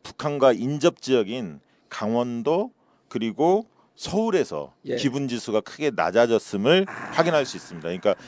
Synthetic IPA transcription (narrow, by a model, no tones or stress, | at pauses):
pu̥kʰanɡwaind͡ʑʌp̚t͡ɕ͈iʌɡin | kaŋwʌndo | kɯɾiɡo | sʰʌuɾe̞sʰʌ̰kibund͡ʑisʰuɡakʰɯɡe̞na̰d͡ʑad͡ʑʌs͈ɯmɯɭɸwaɡinɦaɭs͈uis͈ɯmɲidakɯɲik͈a